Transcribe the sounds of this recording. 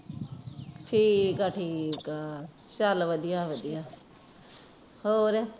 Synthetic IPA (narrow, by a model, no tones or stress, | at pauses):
ʈʰiːkaːʈʰiːkaːsalʋəd̪ijaːʋəd̪ijaː | hoːɾaː